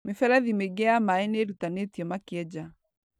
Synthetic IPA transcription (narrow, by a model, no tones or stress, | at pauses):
mefɛɾɛðimeɡɛamaɛneɾutanetiɔmakiɛd͡ʒa